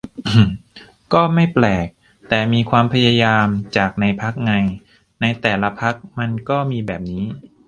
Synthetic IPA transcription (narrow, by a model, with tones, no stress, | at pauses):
ʔ | kɔː˥˩ma˥˩jplɛː˨˩k̚ | t̪ɛː˨˩miː˧kʰwaː˧mpʰa˧ja˧jaː˧mt͡ɕaː˨˩k̚na˧jpʰa˦˥k̚ŋa˧j | na˧jt̪ɛː˨˩la˦˧˥pʰa˦˥k̚ma˧nkɔː˥˩miː˧bɛː˨˩p̚niː˦˥